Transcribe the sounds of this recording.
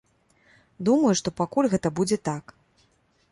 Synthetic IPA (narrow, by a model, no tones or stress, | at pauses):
d̪umɐjuʂt̪ɔpakulʲɣɛt̪ɐbud͡zʲɛt̪ak